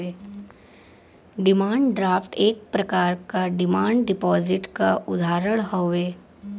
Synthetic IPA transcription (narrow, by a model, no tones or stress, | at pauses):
eː | ɖɪmaːɳɖɖɾaːfʈeːk̚pɾɐkaːɾkaɖɪmaːɳɖɖɪpɔːzɪʈkaʔʊd̪ʱaːɾəɽɦoːʋeː